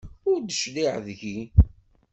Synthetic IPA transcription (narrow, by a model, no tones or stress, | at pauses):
ʊɾd̪əʃliʕðʝi